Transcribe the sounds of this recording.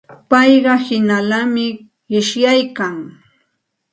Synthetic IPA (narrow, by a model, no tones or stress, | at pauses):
pɑjɢɑhɪnalamɪ | ɢɪʃjajkaŋ